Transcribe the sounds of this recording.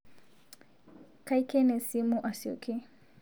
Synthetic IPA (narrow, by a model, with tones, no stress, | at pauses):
ka˦jkɛ˦nɛ˨si˦mu˦ʔa˨si˨o̰˨ke˦